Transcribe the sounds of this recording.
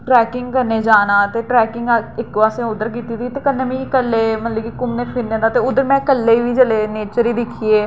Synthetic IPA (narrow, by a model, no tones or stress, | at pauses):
ʈɾɛːkɪŋɡkəneːd͡ʒaːnaːt̪eːʈɾɛːkɪŋɡɪkːʋaːsẽʊd̪əɾk̬iːt̪iːt̪iːt̪eːkənːẽːmĩːkəlːeːmət̪ləɡikʊmneːpʰɪɾnẽːd̪aːt̪eːʊd̪əɾmɛ̃ːkəlːeːʋiːd͡ʒəleːneːt͡ʃəɾiːd̪ɪkʰːiːeː